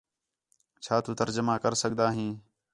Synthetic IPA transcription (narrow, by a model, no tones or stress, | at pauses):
t͡ʃʰaːt̪uːt̪əɾd͡ʒəmaːkəɾsəɠd̪aːɦĩː